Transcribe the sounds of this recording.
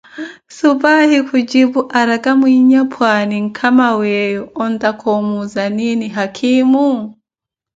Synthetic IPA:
subahikʰud͡ʒibuʔaɾakʼamwiɲapʰwaniŋ̩kʰamawɛjɔɔndakʰɔmuzaniniɦakʰimu

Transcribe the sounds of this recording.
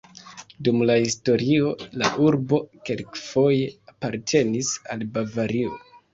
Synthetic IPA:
dumlahisto̞ɾio̞la̰ʔuɾbo̞ke̞lkfo̞je̞apaɾtʰe̞nisalbavaɾio̰

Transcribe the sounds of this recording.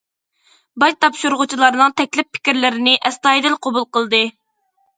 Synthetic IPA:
bɑjt̪ʰɑpʃuɾʁʊt͡ʃʰilˠɑɾnɨŋt̪ʰɛkʲlɪpʰːɪ̥kʲiɾlɪɾɪnɪʔɛst̪ɑjd̪ɨlqʰobulˠqəlˠd̪ɨ

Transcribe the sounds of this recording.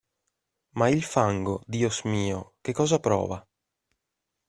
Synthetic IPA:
mailfaŋɡod̪iːosmiːok̟ekːɔːzapɾɔ̰ːva

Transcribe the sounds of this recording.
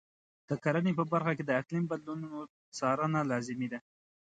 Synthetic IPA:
d̪̥əkaɾənepəbaɾxaked̪əaklimbad̪lununo | t͡sɑɾənalɑzɪmed̪a

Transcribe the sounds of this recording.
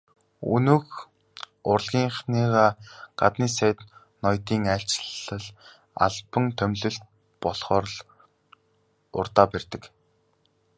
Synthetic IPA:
ṵnɵːx | ʊrɮɣʲiːɴχniːʁaːɢ̥at̪niːsæːt̪ | nɔjt̪iːŋaɬʲt͡ɕɮə̆ɮ | a̰ɮpə̆ŋt̪ʰœmɮɵ̆ɬt̪ | pɔɮχɔːɾɮ | ʊ̰rt̪aːpærʲt̪ɘ̆k

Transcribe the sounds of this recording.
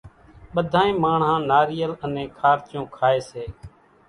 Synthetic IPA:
ɓəd̪ʱaːẽːmaːɳ̤ɦãːnaːɾiːjələnẽːkʰaːɾt͡ʃjõːkʰaːeːseː

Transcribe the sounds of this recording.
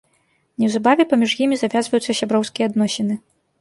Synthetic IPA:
nʲɛwzabavʲɛpɐmʲiʐjimʲizavʲazvɐjut̪sːɐsʲabɾɔwskʲijɛːd̪nɔsʲɛnɨ

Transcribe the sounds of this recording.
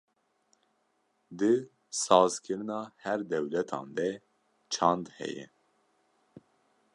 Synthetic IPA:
d̪ɨ | sɑːzkʰɨɾɨnɑːhɛɾd̪ɛwlɛt̪ʰɑ̰ːnd̪ɛ | t͡ʃʰɑnd̪hɛ̰jɛ̰

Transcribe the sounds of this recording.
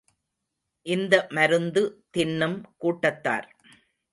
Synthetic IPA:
ʔɪnd̪ɐmɐɾɯnd̪ɯt̪ɪɳːɯmkuːʈːɐt̪ːa̰ːɾ

